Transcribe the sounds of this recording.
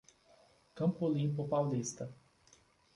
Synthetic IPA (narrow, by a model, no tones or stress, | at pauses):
kɐ̃mpolĩmpopawlist̪ɐ